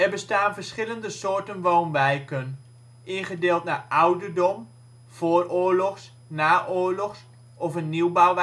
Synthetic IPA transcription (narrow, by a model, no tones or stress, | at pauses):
ɛrbəstaːnvəɹsχɪləndəsoːɹtənʋownʋɛjkən | ʔɪnχədeːlˠtnaːʔawdəɹdɔm | v̥oːrʊːɹlɔχs | naːʔoːɹlɔχs | ʔɔfənːiwbawʋ